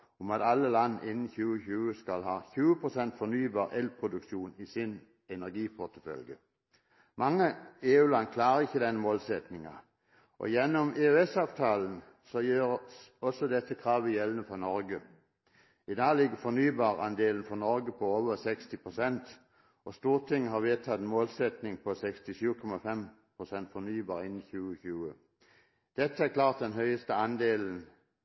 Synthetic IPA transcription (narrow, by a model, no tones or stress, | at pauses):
ɔmɑt̪ɑlːəlɑnːʔɪnːn̩çʉːəçʉːəskɑlɦɑːçʉːəpʰʁʊsɛnt̪fɔnyːbɑːʁɛlpʰʁʊd̪ʉkʃuːnisɪn | ɛnæʁɡiːpʰɔt̪əfœ̰lɡə | mɑŋːəeːʉːlɑnkʰlɑːɾəɪçːəd̪ɛnːəmoːlsɛt̪nɪŋɑ̰ | ʔɔ̰jɛnːɔmeːøɛsɑːʋt̪ʰɑːln̩ | sɔjiːʁsɔsɔd̪ɛt̪ʰːəkʰʁɑːʋəjɛlːənəfɔnɔɾɡə | ɪd̪ɑːlɪɡəfɔnyːbɑːʁɑ̰nd̪eːlnfɔnɔɾɡəpʰɔoːʋəsɛkst̪ɪpʰʁʊsɛnt̪ | ʔɔst̪uːʁt̪ʰɪŋːəhɑʁʋeːt̪ʰɑt̪ɛnmoːlsɛt̪nɪŋpʰɔsɛkst̪ɪʃʉːkʰɔmɑfɛm | pʰʁʊsɛnt̪fɔnyːbɑːɾɪnɪçʉːəçʉːə | d̪̥ɛt̪ʰːəæklɑːʁt̪̚d̪ɛnɦœʏəst̪əɑnd̪eːln̩